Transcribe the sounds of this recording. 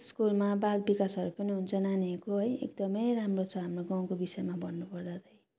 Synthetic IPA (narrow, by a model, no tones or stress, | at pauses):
skulmabalbikasʌɾupʌniɦunt͡sʰʌnaniekoɦʌjḛk̚d̪ʌmʌjramrot͡sʰʌɦamroɡaw̃kobisʌjmabʌnːupʌrd̪ʌd̪ʌj